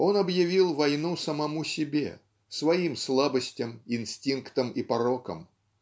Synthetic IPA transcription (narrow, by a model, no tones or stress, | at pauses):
onɐbjɪvʲilˠvɐjnusɐmɐmusʲɪbʲḛ | svɐimslˠabəsʲtʲɐminsʲtʲinkt̪əmipɐɾɔkə̰m